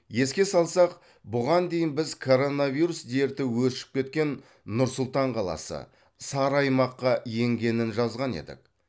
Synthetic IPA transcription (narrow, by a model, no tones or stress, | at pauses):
je̞skʲe̞sɑlˠsɑq | bʊʁɑnd̪ejɪnbɪzkʰo̞ɾo̞naviɾusd̪e̞ɾt̪ɪwɵʃɪ̥p̚kʲe̞t̪̚kʲe̞nː | ʊɾsʊlˠt̪ɑɴqʰɑlˠɑ̰sə̰ | sɑɾɑjmɑqːɑje̞ŋɡʲe̞nɪnʒɑzʁɑne̞̰d̪ɪ̰k̚